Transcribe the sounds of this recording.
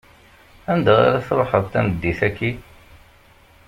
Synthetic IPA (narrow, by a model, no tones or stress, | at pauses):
ænd̪ʁa̰ɾaθɾˤoħəðˤt̪æməd̪ːiθækːi